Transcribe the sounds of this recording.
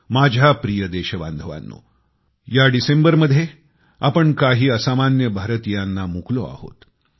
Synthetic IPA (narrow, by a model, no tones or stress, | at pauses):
mad͡ʑʱjapɾijəd̪eɕəʋa̰nd̪ʱəʋa̰nːo̰ | jaɖisembəɾməd̪ʱje | apəɳkaɦiːəsamanjəbʱaɾət̪ijanːamukloa̰ho̰t̪